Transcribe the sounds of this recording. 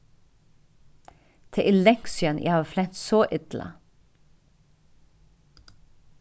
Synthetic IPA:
t̪ʰeʔɪlɛksɪənʔæ̰hɑːflɛt̪soːʔɪt̪lə̰

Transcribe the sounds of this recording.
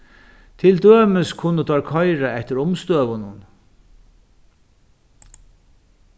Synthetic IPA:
t̪ʰɪld̪øːməskʰʊnːət̪ʰɔɾkʰɔjɾaɛht̪əɾʊmst̪øːʋʊnʊn

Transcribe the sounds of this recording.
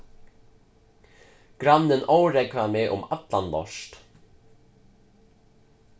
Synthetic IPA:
ɡ̥ɾanːɪnoːwɾekvamɛːʔʊ̰mat̪lanlɔ̰ʂt̪

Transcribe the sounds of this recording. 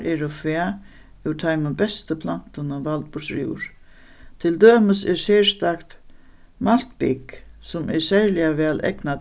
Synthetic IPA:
ɛɾɔfvɛː | ʉwt̪ʰajmənbɛst̪əpʰlan̥t̪ənaʋalt̪̚pʊsɾjṵːɾ | t̪ʰɪld̪øːməsɛɹseːst̪akt̪ | mal̥t̪pɪ̰ksʊmɛɹsæɾlɪaʋɛːlʔɛ̰kna

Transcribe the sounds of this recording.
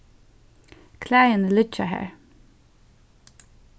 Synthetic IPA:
kʰlæːjənəlʏt͡ʃəhæ̰ːɹ

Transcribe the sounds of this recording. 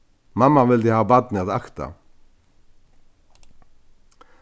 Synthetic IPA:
mamːavɪlt̪ihaːvbad̪nɪaðaxt̪a̰

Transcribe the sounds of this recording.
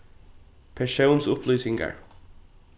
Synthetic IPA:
pʰɛɹʃoʊnsʊpʰlyːsɪŋɡə̰ɹ

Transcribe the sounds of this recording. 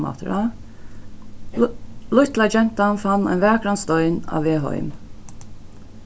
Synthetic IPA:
ma̰t̪ɾa | lʊht̪lad͡ʒɛn̥t̪anfanːa̰ɪnvɛːkɾanst̪ɔjna̰veːɦɔ̰ʏm

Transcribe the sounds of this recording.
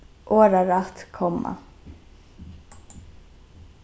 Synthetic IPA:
ʔoːɾaɾaht̪kʰɔmːa̰

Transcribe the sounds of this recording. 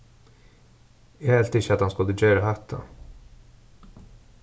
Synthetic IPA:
jaɛlt̪ɪçːəat̪hanskɵlːəd͡ʒœːɾahat̪ʰːa̰

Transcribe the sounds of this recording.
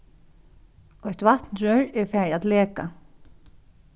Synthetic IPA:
ɔjht̪vat̪nɾœɹɛɹfɛːɹat̪lɛːka̰

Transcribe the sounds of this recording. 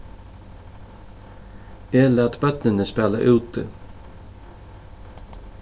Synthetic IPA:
eːlæːt̪bœt̪nɪnəspæːla̰ʔʉːt̪ɪ̰

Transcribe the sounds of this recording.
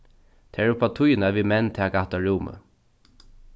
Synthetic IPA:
t̪ʰɛːɹʊpʰat̪ʰʊjnaʋimɛnt̪ʰɛːaɡaht̪aɹuːmə̰

